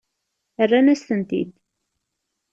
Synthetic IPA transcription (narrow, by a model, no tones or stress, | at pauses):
ərːænæst̪ənt̪ḭd̪